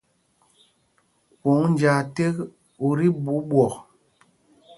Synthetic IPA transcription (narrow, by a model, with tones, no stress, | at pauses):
ko˨˦ŋn˦d͡ʒa˨te˦k | o˨ɾi˦bu˨˦ɓwɔ˨k